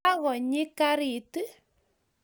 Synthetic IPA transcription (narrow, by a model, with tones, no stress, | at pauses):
a˦ɣɔ˨ɲɪ˦ka˦ɾi˨tɨ˦